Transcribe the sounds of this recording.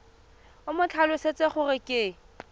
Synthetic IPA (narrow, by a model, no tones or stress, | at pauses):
ʊmʊt͡ɬʰalʊset͡sʼeχʊrɪkʼɪ